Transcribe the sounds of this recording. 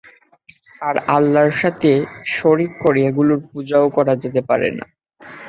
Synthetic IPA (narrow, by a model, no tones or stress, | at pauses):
aɾalːaɾʃat̪ʰeʃoɾikːoɾiaɡuloɾpud͡ʑaokɔɾad͡ʑet̪epaɾḛna̰